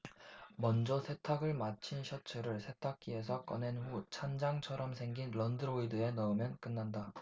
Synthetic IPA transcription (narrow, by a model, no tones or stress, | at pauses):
mʌnd͡ʑʌsʰe̞tʰaɡɯɭmat͡ɕʰinɕʰʌt͡ɕʰɯɾɯɭsʰe̞tʰak͈ie̞s̬ʰʌk͈ʌne̞nɸut͡ɕʰand͡ʑaŋt͡ɕʰʌɾʌmsʰe̞ŋɡinɾʌndɯɾoidɯe̞nʌɯmjʌnk͈ɯnːanda